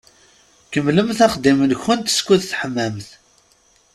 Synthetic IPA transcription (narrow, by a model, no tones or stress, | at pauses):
kəmːləmθæχəd̪imənçənt̪skʷuðθħəmːæmθ